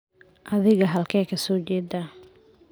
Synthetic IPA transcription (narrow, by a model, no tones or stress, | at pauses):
ʔɐðɪɣɐɦɐlkʰɛːkʰɐsɔːt͡ʃɛːd̪a